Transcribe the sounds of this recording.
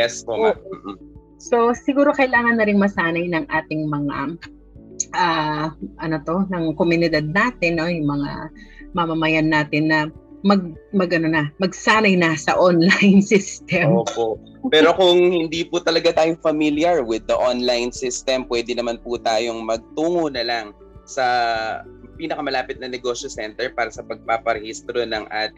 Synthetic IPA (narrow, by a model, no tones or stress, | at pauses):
jɛspoʔʔoʔ̩ | so̞sɪɡuːɾo̞kɐʔɪlaːŋɐnːɐɾɪŋmɐsaːnɐjnɐŋʔaːt̪ɪŋmɐŋa̰ | ʔaːʔɐnot̪o̞nɐŋkomjʊnɪd̪ad̪̚naːt̪ɪnːo̞jʊŋmɐŋa̰mɐmɐmɐjanːaːt̪ɪnːɐ | mɐɡ̚mɐɡʔɐnonɐmɐɡsaːnɐjnɐsɐʔonlajnsɪst̪ɛmmoːpoʔ | pɛːɾo̞kʊŋhɪnd̪ipʊt̪ɐlɐɡat̪aːjofɐmiljɐɹwɪd̪ːɐʔonlajnsɪst̪ɛmpwɛːd̪ɪnɐmanpʊt̪aːjoŋmɐɡ̚t̪uːŋonɐlaŋ | sɐ | piːnɐkɐmɐlaːpɪt̪̚nɐnɛɡo̞ːʃosɛnt̪ɛɹpaːɾɐsɐpɐɡ̚papɐɾɛhist̪ɾonɐŋʔa̰ːt̪ɪ